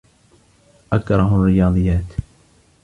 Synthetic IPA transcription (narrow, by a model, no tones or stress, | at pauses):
ʔakɾˤɑɦʊrːɪjɑːd̪ˤɨjːaːt̪